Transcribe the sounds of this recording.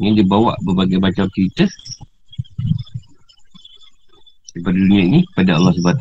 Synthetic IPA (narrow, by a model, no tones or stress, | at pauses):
ɲadibawa̰ʔbərbaɡajbat͡ʃawt͡ʃəɾit̪ə | ipadadunĩainikə̥padaa̰lːɔhsəbat̪